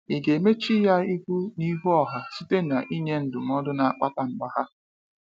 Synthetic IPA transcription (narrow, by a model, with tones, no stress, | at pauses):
i˨ɡe˨me˦t͡ʃi˦ja˦i˦kʷu˦ni˦ɦu˦ɔ˨ɦa˨si˦te˦na˨ʔi˦ɲe˦n̩˨dʊ˨m˦ɔ˦dʊ˦na˨a˨k͡pa˦ta˨ŋ͡m̩˨ɡ͡ba˨ha˦